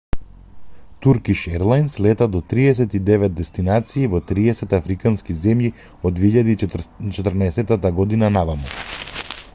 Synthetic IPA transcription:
t̪uɾkiʃɛɾlˠajnslɛt̪ad̪ɔt̪ɾiɛsɛt̪id̪ɛvɛt̪̚d̪ɛst̪inat̪siːvɔt̪ɾiɛsɛt̪afɾikanskizɛmji | ɔd̪vɛiʎad̪it͡ʃɛt̪ɾnaɛsɛt̪at̪aɡɔd̪inanavamɔ̰

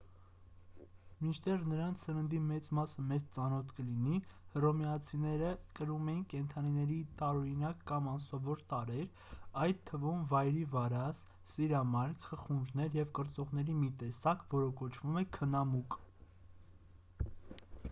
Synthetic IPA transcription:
mint͡ʃʰt̪ɛʁnəɾɑnt͡sʰsəɾənd̪imɛt͡smɑsəmɛt͡st͡sɑnɔt̪ʰkəlinihərɔmɛɑt͡sʰinɛɾəkəɾumɛjinkɛnt̪ʰɑninɛɾit̪ɑɾɔɾinɑkːɑmɑnsɔvɔɾt̪ɑɾɛɾ | ɑjt̪ʰːəvumvɑjɾivɑɾɑs | siɾɑmɑɾkʰχəχunʒnɛɾjɛvkəɾt͡sɔʁn̪ɛɾimit̪ɛsɑkvɔɾəkɔt͡ʃʰv̥umɛkʰənɑmuk

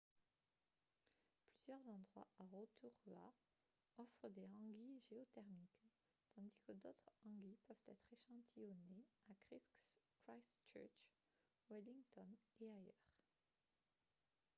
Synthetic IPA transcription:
plyzjœʁzɑ̃d̪ʁwa̰aʁot̪ʰuʁya̰ | ɔfχəd̪eɑ̃ɡiʒeɔt̪ɛʁmik | t̪ɑ̃d̪ikəd̪ot̪χɑ̃ɡipœvt̪ɛt̪χeʃɑ̃t̪ʰijɔneakχis | kχajst͡ʃœ̰t͡ʃ | wiliŋt̪ɔneajœːʁ

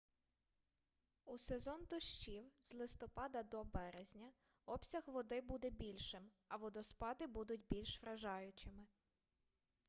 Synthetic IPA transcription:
usezɔnt̪ɔʃt͡ʃiwzlˠɪst̪ɔpɑd̪ɐd̪ɔbɛɾezʲnʲɐ | ɔpsʲɐɣʋɔd̪ɪbud̪ɛbʲilʲʃɪm | ɐʋɔd̪ɔspɑd̪ɪbud̪ʊtʲbʲilʲʃʋɾɐʒɑjʊt͡ʃɪmɪ

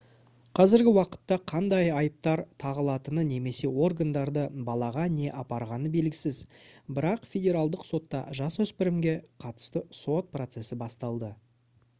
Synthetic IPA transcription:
qʰɑzɪɾɡʲɪwɑqə̥t̪ːɑqʰɑnd̪ɑjɑjəp̚t̪ɑɾt̪ʰɑʁəlˠɑt̪ənəne̞me̞se̞wo̞rɡand̪ɑɾd̪əbɑlˠɑʁɑne̞ʔɑpɑɾʁɑnəbe̞lɡʲɪsɪzbɪɾɑqfʲe̞dʲe̞ɾɑlˠd̪əqso̞t̪ːɑ̰ʒɑswɵspɪɾɪmɡʲe̞qʰɑt̪ə̥st̪əso̞t̪̚pro̞t̪se̞sɪbɑst̪ɑlˠd̪ə

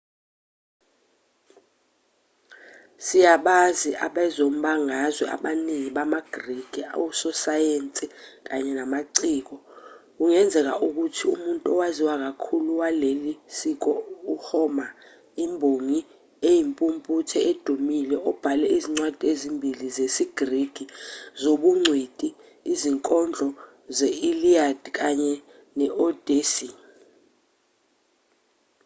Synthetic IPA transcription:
sijaɓaziʔa̰ɓɛzom̩ɓaŋazwɛʔa̰ɓaniŋiɓamaɡ̥riɡ̥ʱia̰wusɔsajent͡sʼik̬ʼaɲɛnamaǀiːk̬ɔk̬uŋɛnd͡zʱɛk̬a̰ʔuk̬utʰiṵmuntʼuɔwaziwak̬akʰuluwalelisik̬ɔuhɔma | imbʱoŋi | ejimpʼumpʼutʰɛed̥ʱumilɛɔb̥ʱalɛiziŋ͡ǀwad̥ʱezimbʱilizesiɡ̥riɡ̥ʱizoɓuŋ͡ǀʱwed̥ʱʼiː | ziŋkʼɔnd͡ɮʱɔ | zɛiliad̥ʱik̬aɲɛ | nɛʔɔd̥ʱesi

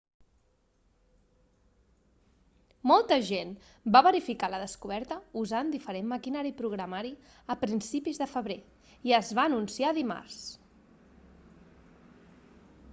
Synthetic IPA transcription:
mɔlˠt̪əʒen | baβəɾifikaləðəskuβ̞ɛɾt̪əuzand̪ifəɾemməkinaɾipɾuɣɾəmaɾi | əpɾinsipizðəfəβɾe | iəzβaːnunsiaðima̰ɾs

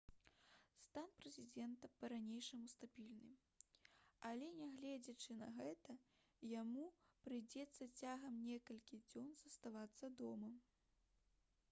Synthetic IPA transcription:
st̪anpɾɛzʲid͡zʲɛnt̪ɐpɐɾanʲejʂɐmust̪abʲilʲnɨm | alʲɛnʲaɣlʲɛd͡zʲɐt͡ʂɨnɐ̰ɣɛt̪ɐ | jamupɾɨjd͡zʲɛt̪sːɐt͡sʲaɣɐmnʲɛkɐlʲkʲid͡zʲɔnzɐst̪avat̪sːɐd̪ɔmɐ

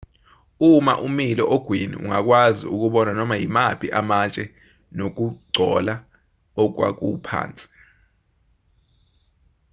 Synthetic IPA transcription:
uma̰ʔumilɔʔoɡ̥ʱwinḭṵŋak̬wazḭuk̬uɓɔnanɔmajimapʰiʔamat͡ʃʼɛ | nok̬uɡ͡ǀʱɔla | ɔk̬wa̰k̬upʰa̰ːnt͡sʼi̥

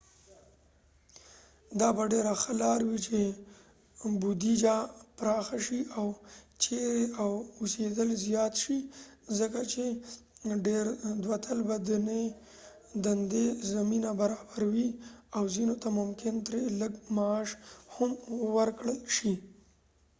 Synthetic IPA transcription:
d̪ɑbaɖeɾaxəlɑɾwit͡ʃe | bud̪id͡ʒapɾɑxaʃiawt͡ʃeɾeawʊsed̪əlzjɑt̪ʃizəkat͡ʃe | ɖeɾd̪wat̪ʰəlbad̪ane | d̪and̪ezaminabaɾɑbaɾawiawzinot̪amʊmkɪnt̪ɾeləɡmaːʃhamwəɾkɽəlʃi

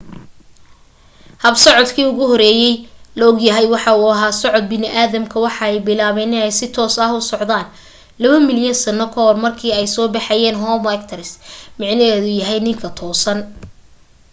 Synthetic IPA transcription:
hɐbsɔʕɔd̪kʰiːʊɣʊɦɔɾɛːjɛjlɔɡjɐɦɛjwɑħɑʊɐɦaːsɔʕɔd̪̚bɪnɪʔaːðɐmkʰɐwɑħɑɛjbɪlaːβɛːnɛɛjsɪt̪ʰɔːsɐhʊsɔʕd̪aːn | lɐβɐmɪljɐnsɐnɔkʰɔɦɔrmɐrkʰiːɛjsɔːbɑħɑjɛːnɦɔːmɛk̚t̪ʰɐɾɪsmɑʕnɛɦɛːðʊjɐɦɛjnɪŋkʰɐt̪ʰɔːsɐn

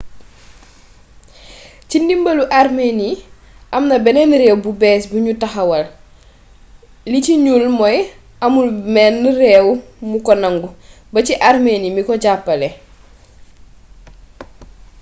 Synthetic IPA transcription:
cindimbɐluʔaɾmeni | ʔɐmnɐbɛnɛnɾɛwbubɛːsbuɲutɐxɐwɐl | liciɲulmɔj | ɐmulmɛnːiɾɛwmukɔnɐŋɡu | bɐciʔaɾmenimikɔɟapːɐlɛ

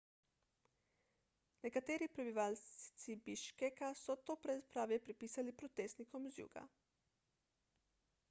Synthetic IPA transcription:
nekat̪eːɾipɾebiʋalt̪sibiʃkekasot̪opɾezpɾaːʋjepɾepiːsalipɾot̪eːst̪nikomzjṵːɡa̰

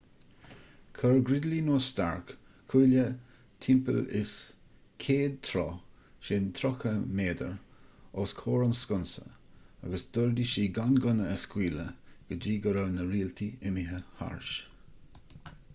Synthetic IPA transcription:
kʰəɹɡɾɪd̪linoːst̪a̰ɹk | kʰuːlə | t̪ʰɪmpə̰lɪ̰s | kʰeːd̪̚t̪ʰɾɔ̰ː | ʃɪnt̪ʰɾɔkəmeːd̪ə̰ɹɔːskʰoːɹʊnskʊnsə̰ | a̰ɡəsd̪ʊɹd̪iʃiːɡanɡʊnəəskwiːləɡ̥əd͡ʒiːɡəɾəwnəɾiːlt̪ʰiɪmiɦəha̰ɹʃ

